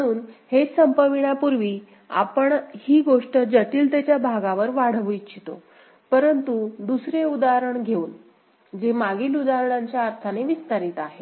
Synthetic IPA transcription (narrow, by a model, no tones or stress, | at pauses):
məɽ̃uːnhesəmpəʋiɽapuɾʋiː | a̰pəɳhiːɡoʂʈəd͡ʑəʈiːlt̪jat͡ɕjabʱaɡaʋəɾʋaɽ̤əʋijt̪t͡ɕʰit̪o̰ | pəɾənt̪ud̪usɾeud̪aɾəɳɡʱeuːn | d͡zemaɡiːlud̪aɾɳaɲt͡ɕjaːɾt̪ʰaneʋist̪aɾit̪aɦe